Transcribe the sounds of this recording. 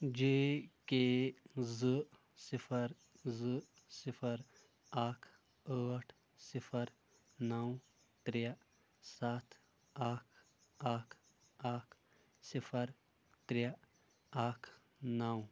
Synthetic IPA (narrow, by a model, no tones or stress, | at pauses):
d͡ʒekezɨ | sipʰɐɾ | zɨ | sipʰəɾ | aːkʰ | əːʈʰ | sipʰɐɾ | nɐw | t̪ɾe | saːt̪ʰ | aːkʰ | aːkʰ | aːkʰ | sipʰɐɾ | t̪ɾj | aːkʰ | nɐw